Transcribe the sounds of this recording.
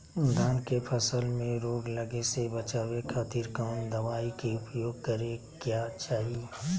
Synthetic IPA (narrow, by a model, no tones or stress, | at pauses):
d̪ʱaːnkepʰəsəlmẽɾoːɡləɡesebɐt͡ʃaːwekʰaːt̪iːɾkaːnd̪ɐʋaːikeʊpjoːɡ̚kəɾe | kjaːt͡ʃaːɦi